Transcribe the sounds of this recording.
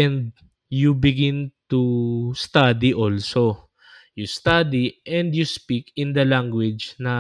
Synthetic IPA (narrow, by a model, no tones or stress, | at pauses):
ʔɛ̃nd̪̚ | jubɪɡɪ̃nt̪ust̪ad̪iʔolso | jʊst̪ad̪iʔɛ̃nd̪juspikɪ̃nd̪ɐlaŋɡwɪd͡ʒnɐ